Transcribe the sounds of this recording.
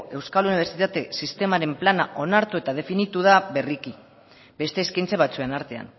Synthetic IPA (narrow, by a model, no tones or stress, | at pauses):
e̞wskaluniβ̞e̞ɾt͡sit̪at̪e̞sist̪e̞maɾe̞mplana̰ʔo̞naɾt̪ue̞t̪að̞e̞finit̪uð̞aβe̞riki | be̞st̪e̞ːskajnt͡saβ̞at͡sue̞naɾt̪e̞a̰n